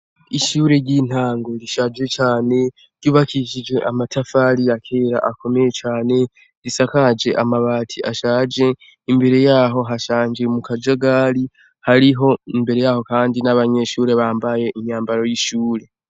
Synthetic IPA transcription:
iʃuːɾe̞ɾɟin̥haːŋɡo̞ɾiʃad͡ʒwe̞t͡ʃaːne̞ | ɾ̥juːβakʰiʃid͡ʒwe̞ʔamatʰafaɾijakʰe̞ːɾa̰ʔakʰo̞me̞je̞t͡ʃaːne̞ | ɾisakad͡ʒe̞ʔamaβaːtʰiʔaʃaːd͡ʒe̞ | imbe̞ɾe̞jaːɦo̞ɦaʃaːnd͡ʒe̞mukad͡ʒaɡaːɾi | haɾiɦo̞imbe̞ɾe̞jaːho̞kaːndinaβaɲe̞ʃuːɾe̞βaːmbaje̞ʔiɲaːmbaɾo̞jiʃuːɾe̞

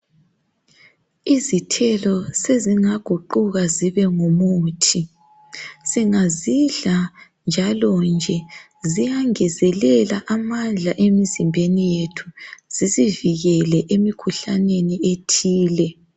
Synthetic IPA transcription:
izitʰɛlɔseziŋaɡ̥ʱuǃuɣaziβɛŋomuːtʰi | siŋaziɮa | nd͡ʒʱalɔnd͡ʒʱɛ | zijaŋɛzɛlɛlaʔamand͡ɮʱaʔemizimbʱenijetʰu̥z̥iziviɣɛlɛʔemikʰuɬanenietʰiːlɛ

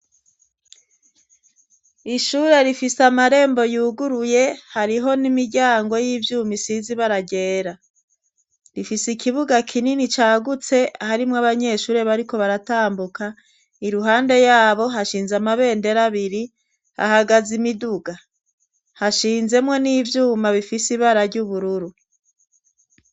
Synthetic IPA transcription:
iʃuːɾe̞ɾifisamaɾe̞ːmbo̞juːɡuɾuje̞haɾiɦo̞nimiɾɟaːŋɡo̞jivjuːmisiziβaɾaɟe̞ːɾa | ɾifisikʰiβuɡakʰininit͡ʃaːɡut͡se̞ʔahaɾimŋaβaɲe̞ːʃuːɾe̞βaɾiko̞βaɾataːmbukʰa | iɾuɦaːnde̞jaːβo̞ɦaʃiːnzamaβe̞ːnde̞ɾaβiɾi | ha̰haɡazimiduɡa | haʃiːnze̞mwe̞niːvjuːmaβifisiβaɾaɾɟuβuɾuɾu

